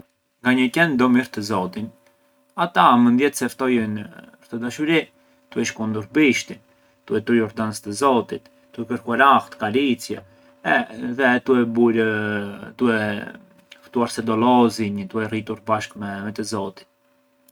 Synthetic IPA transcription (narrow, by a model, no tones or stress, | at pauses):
ŋɡaɲəcɛnd̪ɔmiɾt̪əzɔt̪in | at̪amənd̪jɛt̪sɛft̪ɔjɛnəɾt̪əd̪aʃuɾi | t̪uɛʃkund̪uɾbiʃt̪in | t̪uɛt̪ɾujɔɾd̪anst̪əzɔt̪it̪ | d̪uɛkəɾkuaɾaxt̪kaɾit͡sjɛ | ɛðɛt̪uɛbuɾ | d̪uɛ | ft̪uaɾsɛd̪ɔlɔzinəd̪uɛrit̪uɾbaʃkmɛmɛt̪əzɔt̪i̥t̪̚